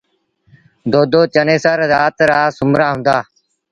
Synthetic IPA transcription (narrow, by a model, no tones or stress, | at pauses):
d̪oːd̪oːt͡ʃəneːsəɾɾaːt̪ɾaːsʊmɾaːɦʊ̃nd̪aː